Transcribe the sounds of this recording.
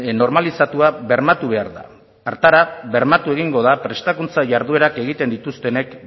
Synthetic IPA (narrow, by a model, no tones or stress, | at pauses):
no̞ɾmalisat̪uaβe̞ɾmat̪uβ̞e̞aɾða̰ː | ɾt̪aɾaβe̞ɾmat̪ue̞ɣ̞iŋɡo̞ð̞apɾe̞st̪akunt͡saʝaɾð̞ue̞ɾake̞ɣ̞it̪e̞nd̪it̪ust̪e̞ne̞k